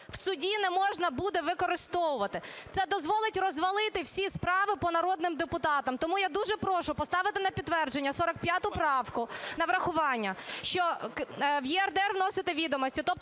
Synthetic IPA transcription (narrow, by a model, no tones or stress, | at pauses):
w̥sʊdʲinɛmɔʒnɐbud̪ɛʋɪkɔɾɪst̪ɔʋʊʋɐt̪ɪt̪sɛd̪ɔzʋɔlˠɪtʲrɔzʋɐlˠɪt̪ɪwsʲispɾɑʋɪpɔnɐɾɔd̪nɪmd̪epʊt̪ɑt̪ɐmt̪ɔmujad̪uʒɛpɾɔʃʊpɔst̪ɑʋɪt̪ɪnɐpʲid̪ːʋɛrd͡ʒenʲːɐsɔɾɐk̚pʲjat̪ʊpɾɑwkʊnɐʋɾɐxʊʋɑnʲːɐʃt͡ʃɔkwjiɛrd̪ɛrʋnɔsɪt̪ɛʋʲid̪ɔmɔsʲtʲit̪ɔp̪̚